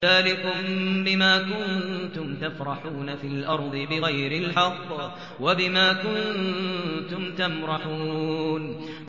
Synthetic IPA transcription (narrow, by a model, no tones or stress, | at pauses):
aːlɪkʊmbɪmaːkʊnt̪ʊmt̪afɾˤɑħuːnafiːlʔɑɾˤd̪ˤɨbɪɣajɾɪlħɑqː | wabɪmaːkʊn | t̪ʊmt̪amɾɑħuːn